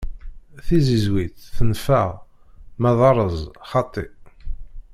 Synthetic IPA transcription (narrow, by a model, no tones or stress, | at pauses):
θizizwiθθənfəʁ | mæðˤɑɾˤəzˤχɑt̪ˤːi